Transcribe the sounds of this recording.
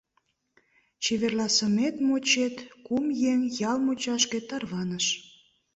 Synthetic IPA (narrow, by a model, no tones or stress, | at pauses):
t͡ɕeβerlɑsə̆met̪mot͡ɕet̪kumjeŋjɑlmut͡ɕɑʃkĕt̪ɑrβɑnəʃ